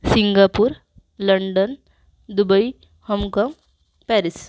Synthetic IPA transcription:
siŋɡapuɾ | ləɳɖən | d̪ubəi | həmkaŋ | pɛɾis

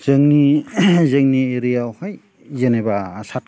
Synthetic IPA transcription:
z̥ɯŋnizɯŋnieɾijawhaj | zenebaːsat̚

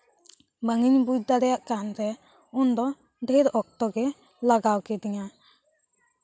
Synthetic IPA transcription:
bəŋiɲbujd̪aɾɛjaʔkant̪ɛ | ʊnd̪ɔ | ɖʱeɾɔk̚t̪ɔɡɛ | laɡawkɛd̪iɲa

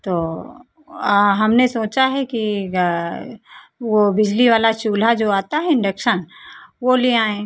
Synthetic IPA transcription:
t̪oː | ɦɐmnesoːt͡ʃaɦɛki | ʋobɪd͡ʒliʋaːlat͡ʃuːl̤ad͡ʒoːaːt̪aɦɛɪ̃ɳɖəkʃənʋoliãːẽː

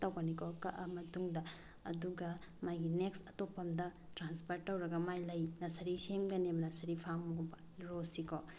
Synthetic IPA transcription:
tɐwɡanikʰɔkɐʔɐmɐtuŋdɐ | ɐduɡɐ | majɡineksɐtopːɐmdɐ | tɾanspʰɐɾtːɐwɾɐɡɐmajlɐjnɐsɐɾiseŋɡɐnemɐnasɐɾipʰaŋmbɐ | ɾosikɔ

